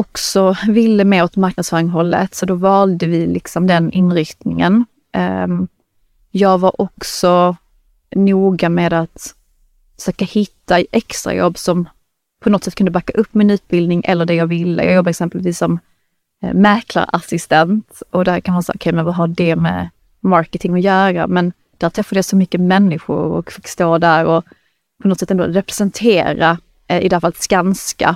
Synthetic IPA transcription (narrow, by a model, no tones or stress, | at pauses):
ɔksɔvɪlːəmɛːɔt̪maɾknad̪sfœːɾɪŋɦɔlːə̰t̪sɔd̪ɔvɑːld̪əvɪlʔɪ̰ksɔmd̪ɛnʔɪnɾʏkt̪nɪŋə̰n | jɑːɡvaɾʔɔksɔ | nuːɡameːd̪at̪ | fə̥ʂøːkahɪt̪ːaʔɛkst̪ɾa̰jɔ̰bːsɔm | pʰɔnɔt̪sɛt̪̚ːkɵnd̪əbakːaʔɵpːmɪnʉ̟ːt̪̚bɪld̪nɪŋʔɛ̰lːəɖɛjɑːɡvɪlːə̰jɑːɡjɔbːaɾɛksɛmpəlviːsːɔmː | ɛɾkʰla̰ɾa̰sɪst̪ɛnt̪ɔd̪æɾkʰanmaːsa̰ːɔkʰɛjmɛnvaɦaɖɛmɛ̰ | mɑɾkət̪ʰɪŋɔjœːɾa̰mɛn | d̪̥æːɾʈ̪ʰɾɛfːad̪əjasɔmʏkːəmɛnːɪɧʊ̰ɾɔ̰kfɪkst̪oːd̪æɾɔ | pʰɔnɔt̪sɛt̪ːɛnd̪o̰ːɾɛpɾɛsɛnt̪ʰeːɾa̰ | ɪ̰d̪ɛhɾfalːt̪skanska̰